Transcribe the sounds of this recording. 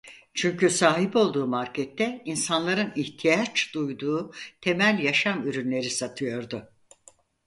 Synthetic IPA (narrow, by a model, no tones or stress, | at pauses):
t͡ʃʰyɲcysaːɦibo̞lˠd̪uːmaɾcʰɛt̪ʰːɛinsanlˠaɾɯniht̪ʰijat͡ʃd̪ujd̪uːt̪ʰe̞mælʲjaʃamyɾynlʲe̞ɾisat̪ʰɯjo̞ɾd̪ʊ